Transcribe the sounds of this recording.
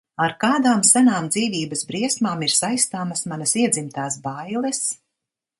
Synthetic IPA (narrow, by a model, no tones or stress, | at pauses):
aɾkaːd̪aːmsanaːmd̪ziːviːbɐsbɾiɛsmaːmiɾsajst̪aːmɐsmanɐsiɛd̪zimt̪aːs̬bajlˠɛs